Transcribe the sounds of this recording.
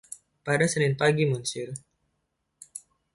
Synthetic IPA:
padasənɪnpaɡimunsʊr

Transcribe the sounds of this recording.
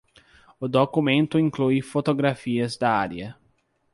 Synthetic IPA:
ʊd̪okumẽnt̪ʊĩŋklujfot̪oɡɾafiɐzd̪aaɾjɐ

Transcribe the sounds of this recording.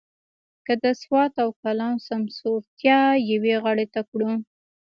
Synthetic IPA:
kəd̪əswɑt̪awkalɑnosamsoɾt̪jɑjaweɣəɽet̪akɽu

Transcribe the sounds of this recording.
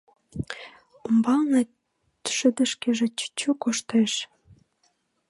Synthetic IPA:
ombɑlne | ʃə̆d̪ə̆ʃkeʒĕt͡ɕt͡ɕukoʃt̪eʃ

